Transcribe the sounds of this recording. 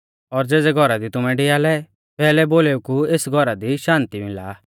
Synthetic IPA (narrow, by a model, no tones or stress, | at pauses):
ɔɾd͡zeːd͡zɛɡʱɔɾad̪it̪ʊmɛ̃ɖɪaːlɛ | pɛːlɛboːleːukueːsɡʱɔɾad̪iʃãːnt̪imɪla̰ː